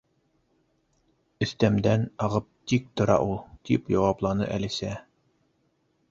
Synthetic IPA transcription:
ɵ̆θt̪æmd̪ænɑʁɤp̚t̪ik̚t̪ŏɾɑ̰ʔulˠt̪ḭpjɑwɑplˠɑnɤ̰ʔælisæ

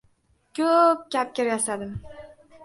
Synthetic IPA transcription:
kʲʰɵp̚kʲap̚kʲɪɾjasad̪ɪm

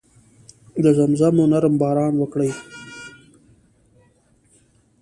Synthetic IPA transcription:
d̪əzamzamonaɾmbɑːɾɑːnwəkɽaj

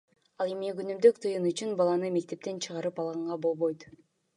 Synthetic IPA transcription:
ɑlˠemiɡynymd̪økt̪ʰɯjɯnyt͡ʃynbɑlˠɑnɯme̞k̚t̪e̞p̚t̪e̞nt͡ʃʰɯʁɑɾɯpɑlˠʁɑɴʁɑbo̞lˠβojt̪

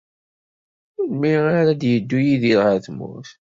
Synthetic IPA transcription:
ʊlmiaɾad̪jəd̪ːujiðiɾʁəɾθmʊ̰θ

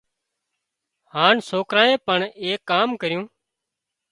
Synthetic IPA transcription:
haːnsoːkɾaːẽːpəɳeːkːaːmkəɾɪjũː

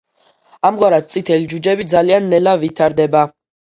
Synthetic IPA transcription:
amɡwaɾad̪̚t̪sʼit̪ʰɛlid͡ʒud͡ʒɛbid̪zalianːɛlavit̪ʰaɾd̪ɛba

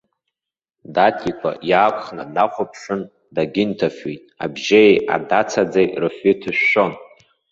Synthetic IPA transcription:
datʰikʷʼa̰jaːkʷʰʼχnadaχʷʊpʰʂɨn | daɡʲɪntʰafitʼa̰bʒeja̰dat͡sʰad͡zejrɨfɪtʰɨʃːo̞n

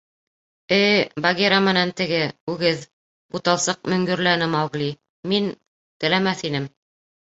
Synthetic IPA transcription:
ɘjbaɡʲeɾamɘ̆nænt̪ɘ̆ɡɘʉɡɘð | ut̪ɑlˠsɤq̚mɵ̆ŋɡɵ̆ɾlænɘmɑwɡli | min | t̪ɘ̆læmæθinɘm

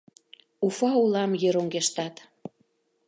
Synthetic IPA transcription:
ufɑulɑmjeɾoŋɡeʃt̪ɑt̪

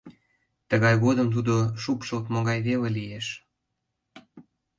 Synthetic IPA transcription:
t̪əɣɑjɣod̪əmt̪̬ud̪oʃupʃəlt̪moɣɑjβelelijeʃ

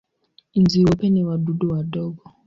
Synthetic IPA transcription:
inziwɔpɛniwaɗuɗɔwaɗɔɡɔ

